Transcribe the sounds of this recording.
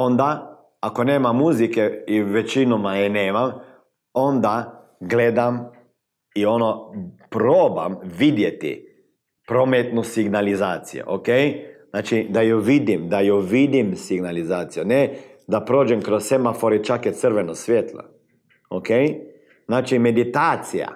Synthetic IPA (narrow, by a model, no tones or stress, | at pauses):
ond̪a | akoneːmamːuzikeiʋet͡ʃinomajɛneːmam | ond̪a | ɡled̪am | ionopɾoːbamʋid̪jet̪ḭ | pɾomet̪nosiɡnalizaːt̪sijo̰ʔokejznaːt͡ʃid̪ajoʋid̪imd̪ajoʋid̪imsiɡnalizaːt̪sijonɛd̪apɾoːd͡ʒɛmkɾossemafoɾit͡ʃakjɛt̪səɾʋenosʋʲjet̪lo̰ | okej | z̥naːt͡ʃimed̪it̪aːt̪sija̰